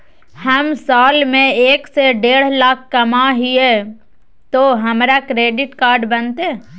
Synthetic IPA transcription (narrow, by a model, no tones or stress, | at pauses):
hɐmsaːlmẽeːkseɖeːɽ̤lak̚ʰkɐmaɦie | t̪oɦɐmɾakɾeːɖɪʈkaːɾɖbənt̪eː